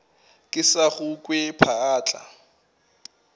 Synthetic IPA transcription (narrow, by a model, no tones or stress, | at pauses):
kʼɪsaɣʊkʼwepʰaaːt͡ɬʼa̰